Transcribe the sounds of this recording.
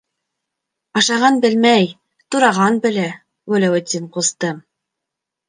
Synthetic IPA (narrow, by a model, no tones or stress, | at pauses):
ɑʃɑʁɑnbɘ̆lmæj | t̪uɾɑʁɑnbɘ̆læ | ɡɵlʲæwɵ̆t̪ʲːinqust̪ɤm